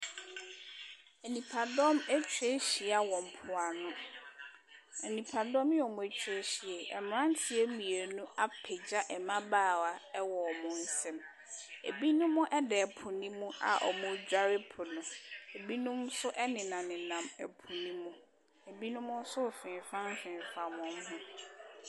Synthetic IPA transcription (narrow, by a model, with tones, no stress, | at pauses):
ɛ˨nĩ˨pʰa˨dɔ˦mɛ˦t͡ɕʰᶣe˦ɕi˨a˨wɔ̃˨m̩˨pʰʊ˨a˨nʊ̃˦ | ɛ˨nĩ˨pʰa˨dɔ̃˦mjɔ˨mʊ̃˨ɛ˨t͡ɕᶣʰe˦ɕi˨ɛ˨ɛ̰˨m˨˦ã˦n˦tʰɪ˨˦e˦mĩ˨e˨nũ˦a˦pʰɛ˨d͡ʑa˦ʔɛ˨mã˦baː˦˨wa˨ɛ˦wɔ˨mʊ̃˨n̩˦sɛ̃˦m | ḛ˨bi˦nʊ̃˦mʊ̃˦ʔɛ˦dɛ˨pʰʊ̃˨nĩ˦mũ˦ʔa̰˨ʔɔ̰˨mʊ̃˦d͡ʑᶣa˦ɾɪ˦pʰʊ˨nʊ̃˨e˨bi˦nʊ̃˦m˦sʊ˦ʔɛ˦nɪ̃˨nã˨nɪ̃˨nã˨mɛ̰˨pʰʊ˨nĩ˦mũ˦ | e˨bi˦nʊ̃˦mʊ̃˦n̩˦sʊ˦˨fɪ̃˨fã˦m̩˦fɪ̃˨n˨fa˨mʊ̃˨m˦ɦʊ̃˦